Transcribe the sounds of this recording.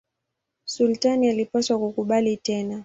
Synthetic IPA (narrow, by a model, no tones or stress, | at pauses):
sultanialipaswakukuɓalitɛna